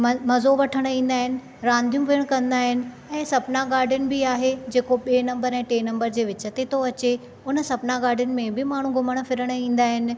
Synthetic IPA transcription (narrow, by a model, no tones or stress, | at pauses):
mɐzoʋɐʈʰəɽ̃ĩːn̆d̪aːɦɪnɪ̆ | ɾãːnd̪ʱijũʋiːəɽ̃kɐ̃nd̪aːɦɪnɪ̆ | ɛ̃ːsɐbnaɡaːɾɖʱjʊnɪ̆bɪaːɦed͡ʑeːkoɓinɐ̃mbəɾɛ̃ːʈeːnɐ̃mbəɾd͡ʑeːʋɪt͡ɕət̪et̪ʰoɐt͡ɕe | ʊnə̆sɐbnaɡaːɖʱjʊnɪ̆mẽbɪmaːɳ̤ũɡʱʊməɽ̃fɪɾəɽ̃ĩːn̆d̪aːɦɪnɪ̆